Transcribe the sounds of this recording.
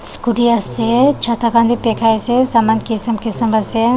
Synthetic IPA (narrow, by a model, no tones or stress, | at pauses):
skuʈiəset͡ʃʰɐt̪ʰakaːnbʱipekʰaesesamaːnkisəmkesɐməsja